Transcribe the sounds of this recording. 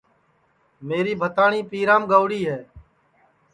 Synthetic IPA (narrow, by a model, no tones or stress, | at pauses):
meːɾiːbʱət̪aːɳiːpiːɾãːmɡəːʋɽiːɦɛː